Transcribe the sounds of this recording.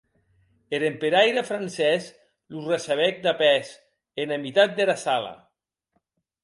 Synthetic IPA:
eɾempeɾajɾafɾansɛs | lurasaβɛk̚d̪apɛs | enamit̪at̪̚d̪elasala̰

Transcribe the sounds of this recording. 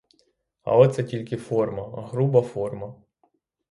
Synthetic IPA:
ɐ̰ɔt̪sɛtʲilʲkɪfɔrmɐɦɾubɐfɔrmɐ

